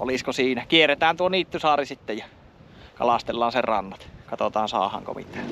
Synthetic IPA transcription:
ʔo̰liskosiːnækierˑet̪æːnt̪uoniːt̪ːysɑːrisit̪ːejjɑ | kɑ̰lɑst̪elːɑːnserɑ̰nːɑt̪kɑt̪ot̪ɑːnsɑ̰ːhɑ̰ŋko̰mḭt̪ˑæ̥ː

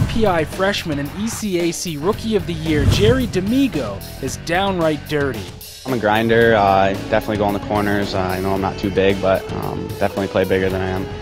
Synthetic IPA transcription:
pʰiaɪfɹɛʃmɨ̃ñɨ̃nisieɪsiɹʊkiʌvðɨjɪɹd͡ʒɛɹidɨmiɡoʊ | ɨzdãʊ̃nɹaɪt̚d̥ɜ˞ɾi | ãɪ̃məɡɹãɪ̃ndə˞ʌɪd̥ɛfənətˡliɡoʊə̃nðəkʰɔɹnə˞zʌaɪnoʊãɪ̃mnə̰tʰʉbɪɡ̚bʌt̚ʌ̰̃md̥ɛfənətˡlipʰl̥eɪbɪɡə˞ðɨ̃ñaɪɨ̃m

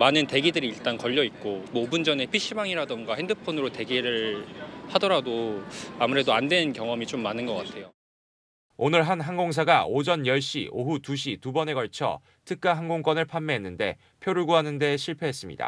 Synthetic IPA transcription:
manɯnte̞ɡidɯɾiːɭt͈ankʌʎːʌit̚k͈omwʌːbund͡ʑʌne̞pʰiɕ͈ibaŋiɾadʌnɡwahendɯpʰonɯɾote̞ɡiɾɯɭhadʌɾadoamuɾe̞doandwe̞nkjʌŋʌmit͡ɕomːanɯnɡʌk͈atʰe̞jo | onɯɭɦanɦaŋɡoŋs̬ʰaɡaʔod͡ʑʌnjʌɭɕ͈ḭʔoɦutuɕ̬ʰitubʌne̞ɡʌɭt͡ɕʰʌ̰ | tʰɯk̚k͈aɦaŋɡoŋk͈wʌnɯɭpʰanːeɦenːɯnde̞̰ | pʰjoɾuɭɡuɦanɯnde̞ɕʰiɭpʰe̞ɦes͈ɯmɲḭda̰

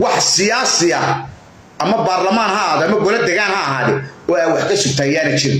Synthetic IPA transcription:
wɑħsɪjaːsɪɐ | ʔɐmɐbaːrlɐmaːnhɐɦaːðɛɐmɐɡɔlɐd̪ɛɣaːnhɐːɦaːðɛːɔaːwɑħkʰɐsʊɡ̚t̪ʰaːjaːnɐt͡ʃɪɾɪn

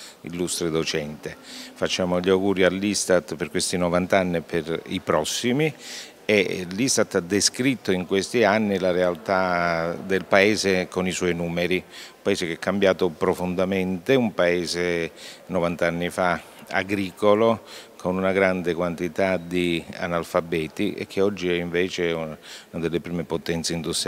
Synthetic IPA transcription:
ḭlːust̪ɾed̪ot͡ʃɛnt̪efat͡ʃːaːmoʎawɡuːɾialːist̪at̪perkwest̪inɔvant̪anːiperipɾɔsːimi | elːist̪at̪ːad̪ːeskɾit̪ːoiŋkwest̪ianːilaɾealt̪ad̪elpaeːzekoniswɔjnuːmeɾiumpaeːsekɛkʰːambjaːt̪opɾofond̪ament̪eumpaeːzenovant̪aanːifa | a̰ɡɾiːkolokʰonunaɡɾand̪ekwant̪it̪ad̪ia̰nalfabɛːt̪iʔḛk̟ʰːeɔd͡ʒːiɛiɱveːt͡ʃeɛuunad̪elːepɾiːmepot̪ɛnt̪seind̪ust̪ɾ

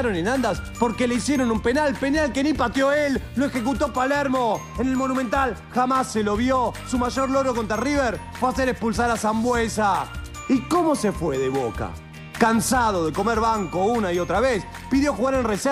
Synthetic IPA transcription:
ɾonenãnd̪aspo̞ɾke̞leisjeɾo̞numpe̞nalpenalkenipat̪joelːoexek̬ut̪opaleɾmo̞enelmonument̪alxamasːelo̞βjosumaʒo̞ɾlo̞ɾoko̞nt̪ɾariβeɾ | fweaseɾekspuls̬aɾasambwesa | iko̞mo̞sefweðeβo̞̰ka̰ | kansað̞o̞ðe̞ko̞meɾβaŋkounaio̞t̪ɾaβes | piðjo̞xuɣaɾenrese

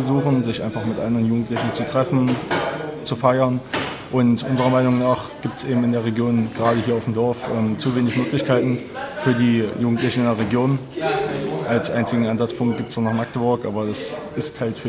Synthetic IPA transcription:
zuːχn̩zɪçʔa̰ɪnfaχmɪtʔa̰ndəʁənjuːɡŋ̩tlɪçn̩t͡sutʁ̥ɛfn̩ | t͡sufaɪɐn | ʔʊntʔʊnzəʁɐmaɪnʊŋnaːχɡ̥iːptsʔeːbm̩ɪndeːɐʁ̞eɡjoːnɡʁaːdəɦiːɐaʊm̩dɔɐfʔɛːmt͡suːveːnɪçmøːklɪçkʰaɪtn̩ | fyːɐdiːjuːɡŋ̩tlɪçn̩ɪndeːɐʁeɡjoːn | ʔalsʔaɪnt͡sɪɡŋ̩ʔanzat͡spʰʊŋkt̚ɡ̥iːptsd̥aːnaːχmak̚təbʊɐkʔaːbɐdasʔɪsthaltfyː

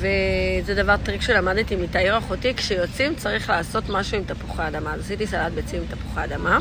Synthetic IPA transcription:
vezedavaʁtʁikʃelamadetimitaiʁaχutikʃejo̞t͡simt͡saʁiχlaːso̞tmaʃuimtapuχaːdamazasitisalat̚bet͡siimt̪apu̥χaːdama

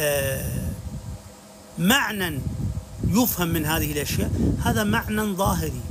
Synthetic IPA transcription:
maʕnan | jʊfhamːɪnɦaːðɪhɪlʔaʃja̰ːʔhaːðamaʕnanðˤɑːɦɪɾi

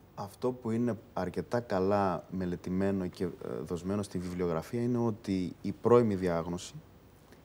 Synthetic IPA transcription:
ɐft̪o̞puine̞ɐɾce̞t̪ɐkɐlɐme̞le̞t̪ime̞no̞ce̞ðo̞zme̞no̞st̪iɱvivlio̞ɣɾɐfiɐine̞o̞t̪iːpɾo̞imiðiɐɣno̞si̥

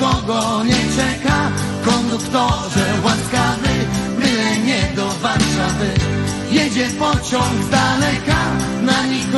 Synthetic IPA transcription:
kɔɡɔɲɛt͡ʂɛka | kɔnd̪ukt̪ɔʐɛwaskavɘbɪwɛɲɛd̪ɔvaɾʂavɘ | jɛd͡ʑɛpɔt͡ɕɔ̃wɡzd̪alɛka | naɲik

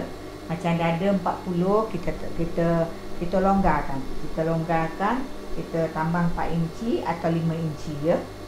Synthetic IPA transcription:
mat͡ʃamdadəmpaʔ̪̚pulʊhkit̪əkit̪ə | kit̪əloŋɡakankit̪əloŋɡakankit̪ət̪ambaŋmpa̰ʔ̪iɲt͡ʃiat̪awlimə̃iɲt͡ʃijə

